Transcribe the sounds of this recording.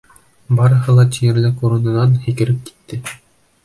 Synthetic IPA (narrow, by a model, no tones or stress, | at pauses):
bɑɾɤ̆ɦɤlˠɑt̪ʲijɘ̆ɾlækuɾɤ̆nɤ̆nɑnhĭkɘ̆ɾɘp̚ki̥t̪ːɘ